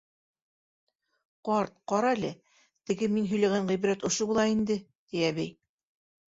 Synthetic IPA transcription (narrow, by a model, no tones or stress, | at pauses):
qɑɾt̪̚qɒɾɑlɘ | t̪ɘ̆ɡɘminɦɵ̆jlæɡæɴʁijb̆ɾæt̪ŏʃobulˠɑind̪ɘt̪ijæβæj